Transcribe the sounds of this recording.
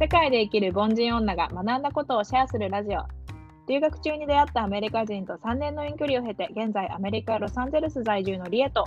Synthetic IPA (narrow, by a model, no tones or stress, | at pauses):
se̞kaid̪e̞ikʲiɾɯ̟bõ̞ɲd͡ʑĩɰ̃õ̞nːaɡa̰manãnd̪ako̞t̪o̞ːɕiasɨɾɯ̟ɾaʑio̞̰ | ɾʲɨːɡakɯ̟̥t͡ɕɨːɲ̟id̪e̞at̪ːaːme̞ɾʲikaʑĩnt̪o̞sãnːẽ̞nːo̞ĩŋkʲo̞ɾʲio̞ɦe̞t̪e̞ɡẽ̞nd͡zaiʔame̞ɾʲikaɾo̞sãɲze̞ɾɯ̟sɨzaiʑɨːno̞ɾʲie̞t̪o̞